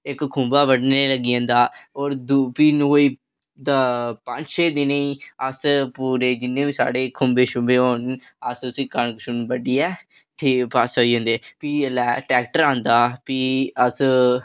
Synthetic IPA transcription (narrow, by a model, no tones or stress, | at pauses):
ɪkkʰʊ̃mbaːʋəɽneːləɡijãːnd̪aːɔːɾd̪upiːnɦoːiː | t̪aːpəɲʃeːd̪ɪneiːəspuːɾeːd͡ʒɪnːẽːʋiːsa̰ːɽeːkʰʊmbeːʃʊ̃mbeːɦoːn | əsʊsĩːkəɳkʃʊnbəɖiːɛː | ʈʰiːpaːsaːiːõːnd̪eːpiːəlɛːʈɛːk̚ʈəɾãːnd̪aːpiːəs